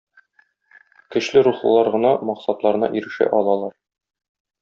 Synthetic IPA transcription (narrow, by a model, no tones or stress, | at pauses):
kɘ̆ɕlɘɾuχlˠɤ̆lˠɑɾʁɤ̆nɑmɒqsɑt̪lˠɑɾɤ̆nɑ̰ʔiɾɘ̆ʃæ̰ʔɒlˠɑlˠɑɾ